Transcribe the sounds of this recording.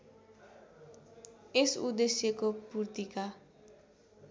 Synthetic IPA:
esud̪esjekopurt̪ika

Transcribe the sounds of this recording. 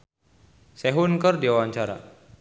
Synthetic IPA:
sɛɦunkərdiawaɲt͡ʃaɾa̰

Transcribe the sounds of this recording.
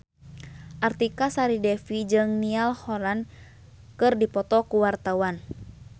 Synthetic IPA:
ʔart̪ikasaɾidɛfid͡ʒɨŋnialhɔlan | kɨrdipɔt̪ɔkuwart̪awan

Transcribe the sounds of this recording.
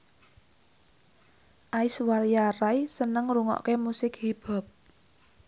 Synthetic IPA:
ʔaiswaɾjarajsənəŋɾuŋɔ̰ʔkemusɪkhib̥a̤p̚

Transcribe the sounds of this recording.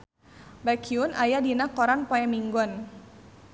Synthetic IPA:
bakiunʔajadinakɔɾanpɔɛmiŋɡɔn

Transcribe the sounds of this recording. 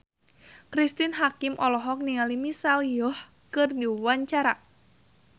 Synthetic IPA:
kɾist̪inɦakɪmʔɔlɔɦɔk̚niŋalimisaljɔh | kɨrdiwaɲt͡ʃaɾa

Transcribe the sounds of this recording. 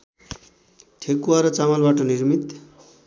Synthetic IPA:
ʈʰekuaɾʌt͡samalbaʈʌnirmit̪

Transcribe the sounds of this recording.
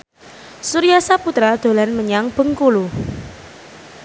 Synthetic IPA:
suɾijasaput̪ɾad̪̥o̤lanməɲaŋb̥ə̤ŋkulu

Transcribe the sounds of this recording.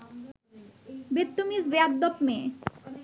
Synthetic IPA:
bet̪ːumisbead̪̚d̪ɔpme

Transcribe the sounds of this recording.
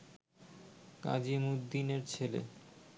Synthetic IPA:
ka̰d͡ʑimud̪ːineɾt͡ɕʰelḛ

